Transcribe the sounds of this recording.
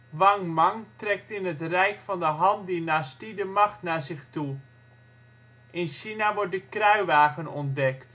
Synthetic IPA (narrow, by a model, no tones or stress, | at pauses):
ʋɑŋmaŋtrɛk̚tɪnətrɛjkfɑndəɦɑntdinaːstidəmɑxtnaːzɪxtu | ʔɪnʃinaʋɔɹt̚dəkrœɥʋaːɣənɔndɛkt